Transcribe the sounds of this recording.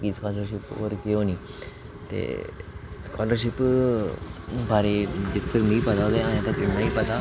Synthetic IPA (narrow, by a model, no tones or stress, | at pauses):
kiskɔːləɾʃɪpo̰ːɾkeoːniː | t̪ḛː | skaːləɾʃɪp | bʱaːɾed͡ʒɪt̪t̪əkmeiːpɐt̪ad̪eãːjãːt̪ɐkɪnːaːiːpɐt̪a